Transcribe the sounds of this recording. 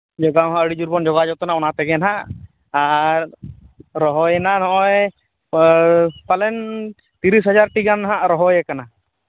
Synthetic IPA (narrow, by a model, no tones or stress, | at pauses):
d͡ʒɔɡawɦãʔəɽid͡ʒuɾbɔnd͡ʒɔɡad͡ʒɔwt̪ɔnaɔnat̪ɛɡɛnɦaʔ | aɾː | ɔɦɔjɛnanɔʔɔj | palɛn | t̪iɾisɦɔd͡ʒaɾʈiɡanɦaʔɾɔɦɔjɛkana